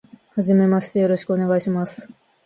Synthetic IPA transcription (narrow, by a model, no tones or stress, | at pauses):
haʑime̞maɕi̥t̪e̞jo̞ɾo̞ɕi̥kɯone̞ɡaiɕimasɨ̥